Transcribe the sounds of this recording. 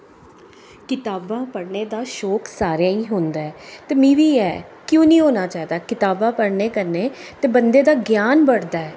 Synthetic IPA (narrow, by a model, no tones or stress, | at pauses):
kɪt̪aːbãːpəɽneːd̪aːʃɔːksaːɾjãːiːɦʊ̃nd̪aːɛːt̪eːmĩːʋiːɛ̰ːkjõːnĩːɦoːnaːt͡ʃaːid̪aːkɪt̪aːbãːpəɽneːkəɾneːt̪eːbənd̪eːd̪aːɡjaːnbəɽd̪aːɛː